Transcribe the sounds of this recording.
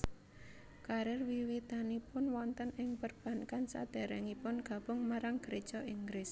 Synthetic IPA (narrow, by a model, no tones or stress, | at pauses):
kaɾɪrwiwit̪anipʊnwɔnt̪ənɪŋpərb̥a̤nkansa̰d̪̥ɛ̤ɾɛŋipʊnɡ̥ä̤b̥ʊŋmaɾaŋɡəɾed̥t͡ʃɔʔiŋɡɾɪs